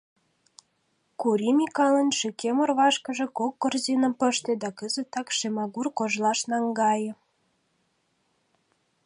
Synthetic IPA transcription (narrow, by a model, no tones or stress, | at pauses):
kuɾimʲikɑlə̆nʃekemŏrβɑʃkə̆ʒĕkokːorzinə̆mpə̆ʃt̪ĕd̪ɑkəzə̆t̪ɑkʃemɑɣurkoʒlɑʃnɑŋɡɑjɤ̆